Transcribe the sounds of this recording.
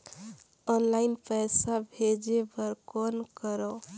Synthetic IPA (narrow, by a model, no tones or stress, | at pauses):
ɔnlainpəjsabʱed͡ʒebəɾkonkəɾɔ